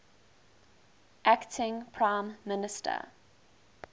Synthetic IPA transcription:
ʔæktʰɪ̃ŋpʰɹãɪ̃mːɪnɪstʰə̰

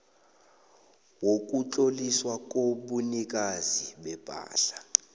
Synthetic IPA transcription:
wok̬ʼut͡ɬʼoliswak̬ʼoɓunik̬ʼaziɓɛb̥ʱa̰ːɬḁ

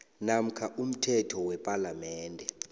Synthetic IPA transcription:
nam̩kʰaʔum̩tʰɛtʰɔwɛpʼalamɛːndʱɛ

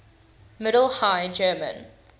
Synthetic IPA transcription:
mɪɾəl̩ˠhaɪd͡ʒɜːmə̰̃n

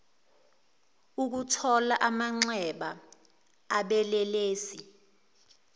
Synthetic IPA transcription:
uk̬utʰɔlaʔamaŋ͡ǀɛɓaː | ɓɛlɛleːsi

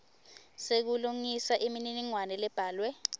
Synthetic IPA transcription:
sek̬uluŋisaʔimininiŋwanɛlɛb̥ʱaːlwɛ

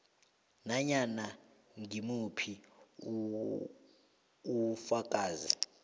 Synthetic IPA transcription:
naɲana | ŋimupʰi | ufak̬ʼaːzi

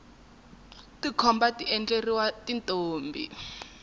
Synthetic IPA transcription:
tikʰɔmbatiʔɛnd͡ɮeriwatintʼoːmbḭ

